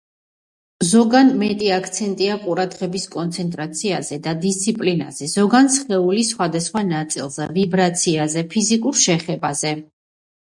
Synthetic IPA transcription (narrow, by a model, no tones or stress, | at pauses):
zɔɡanmɛt̪ʼiakʰt̪sʰɛnt̪ʼiaqʼuɾad̪ʁɛbiskʼɔnt̪sʰɛnt̪ʼɾat̪sʰiazɛd̪ad̪ist̪sʰipʼlina̰z̥ɛz̥ɔɡansχɛulisχwad̪asχwanat̪sʼilˠz̥ɛvibɾat̪sʰiazɛpʰizikʼuɾʃɛχɛbazɛ